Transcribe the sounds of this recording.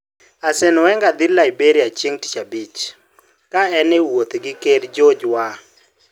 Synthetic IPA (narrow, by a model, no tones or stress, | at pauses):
asɛnwɛŋɡad̪ilaibeɾiat͡ʃeŋti̥t͡ʃabit͡ʃ | kaɛnɛwot̪ɡɪkerd͡ʒod͡ʒwa